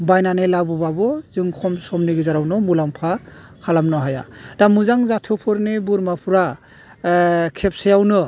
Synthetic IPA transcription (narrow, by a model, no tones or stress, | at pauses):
bajnanɯjlabɔbabɔzɯŋkʰɔmsɔmnɯɡɯzaɾawnɯmulaŋpʰa | kʰalamnɔɦaja̰damuzaŋzatʰupʰɯɾnɯbuɾmapʰuɾa | kʰep̚sajawnɯ